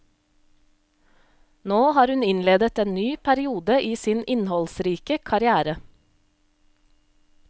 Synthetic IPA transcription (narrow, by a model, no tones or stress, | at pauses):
noːhɑːɾhʉnɪnleːd̪ət̪eːnnyːpʰæɾɪuːd̪əʔiːsiːnɪnhɔlsɾiːkəkʰɑɾɪæːɾə